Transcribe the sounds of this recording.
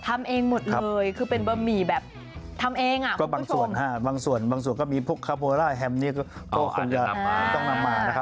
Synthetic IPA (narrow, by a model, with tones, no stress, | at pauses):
t̪ʰa˧mʔeː˧ŋmo˨˩t̪̚lʰɤː˧jkʰɯː˧pe˧nbɤ˧miː˨˩bɛː˨˩p̚ | t̪ʰa˧mʔeː˧ŋʔa˨ʔkɔː˥˩baː˧ŋsu˨˩ənhaː˥˩baː˧ŋsu˨˩ənbaː˧ŋs̬u˨˩ənkɔː˥˩miː˧pʰu˦˥˩əkʰːa˧˥˩pʰoː˧ɾaː˥˩ɦɛ˧mniː˥˩kɔ˥˩t̪ɔː˥˩kʰo˧ŋt͡ɕa˧t̪ɔ˥˩ŋna˧mːaː˧na˦˥kʰa˦˥